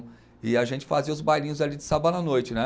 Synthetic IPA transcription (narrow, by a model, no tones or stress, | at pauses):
ɪaʒẽnt͡ʃɪ̥faziɐʊzbajlĩɲ̃ʊzalid͡ʒɪsabɐnɐnojt͡ʃɪnɛ